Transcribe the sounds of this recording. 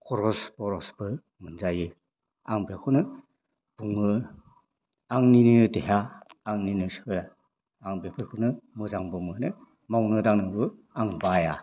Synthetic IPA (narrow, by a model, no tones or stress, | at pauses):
kʰɔɾɔsbɔɾɔsb̥ɯ | mɯnzajɯ | aŋbekʰunɯ | b̥uŋɯ | aŋninɯdeɦaːŋninɯsɯɾaː | ŋbekʰɯɾkʰunɯmɯzaŋbɯmɯnɯ | mawnɯdaŋnɯbɯ | aŋbaja